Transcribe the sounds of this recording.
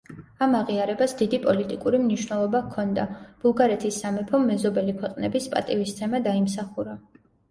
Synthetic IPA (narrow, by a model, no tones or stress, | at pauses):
amaʁiaɾɛbasd̪id̪ipʼɔlit̪ʼikʼuɾimniʃwnɛlˠɔbakʰːɔnd̪ab̥ulˠɡaɾɛt̪ʰisːamɛpʰɔmːɛzɔbɛlikʰwɛqʼnɛbispʼa̰t̪ʼivist̪ʰɛmad̪aimsaχuɾa